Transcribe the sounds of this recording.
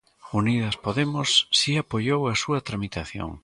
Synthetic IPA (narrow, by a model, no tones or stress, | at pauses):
uniðɐspoðemʊsːiapoʎowɐsuɐt̪ɾamit̪aθjo̰ŋ